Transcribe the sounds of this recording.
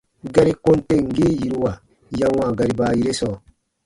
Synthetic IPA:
ɡa˦ɾi˦kõ˦nte˦ŋ̩˨ɡi˦ji˨ɾu˦wa˨ | jã˦wa˨ɡa˨ɾi˨baː˨˦ji˦ɾe˦sɔː˨

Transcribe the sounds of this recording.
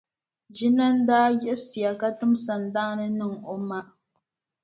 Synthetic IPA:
d͡ʒi˦na˦n̩˦daː˦jɛ˦ʔsi˨a˨ka˦tɨ˦msa˨n̩˨da˦ŋ˦nɨ˦nɨ˦ŋo˦ma˦ʔ

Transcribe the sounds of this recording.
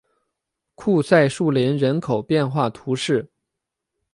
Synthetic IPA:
kʰu˥˧sa˥˧ɪʂu˥˩ljɛ˧˥nɻə˧˥nkʰo˨˩ʊpjɛ˥˧nxwa˥˩t̪ʰu˧˥ʂɻ̩˥˩

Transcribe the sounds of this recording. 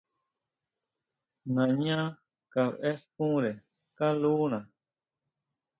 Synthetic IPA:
nã˨ɲã˦ | ka˧βe˦skũ˦ɾe˨ | kã˦luː˦nã˨

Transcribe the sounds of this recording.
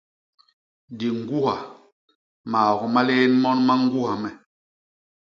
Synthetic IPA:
di˨ŋ˦ɡu˦ɦa˨ | maː˨ɡɔ˨ma˦le˦nmɔ˦nma˦ŋ˦ɡu˦ɦa˨mɛ˨

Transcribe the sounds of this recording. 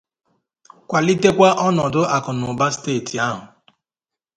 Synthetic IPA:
kʷa˨li˦te˦kʷa˦ʔɔ˦nɔ˨dʊ˦ʔa˨kʊ˨nʊ˨ba˦steː˦˨ti˨a˦ɦʊ˨

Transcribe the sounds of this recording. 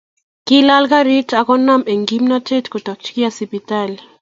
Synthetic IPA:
kila˦lka˦ɾi˦ta˨kɔ˦na˦me˨ŋɡi˦mna˦te˦tko˨tɔ˨k̚t͡ʃki˦asi˨pi˨tal

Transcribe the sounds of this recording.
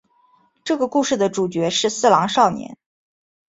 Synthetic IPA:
ʈ͡ʂɤ˥˩ɡə˩ku˥˧ʂɻ̩˥˩d̪ə˩ʈ͡ʂu˨˩t͡ɕɥɛ˧˥ʂɻ̩˥˧sɹ̩˥˩lɑ˧˥ŋʂɑ˥˩ʊnjɛ̰˧˥n

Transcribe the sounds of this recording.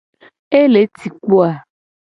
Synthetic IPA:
e˦le˨˦t̪ʰi˨k͡po˦a˨

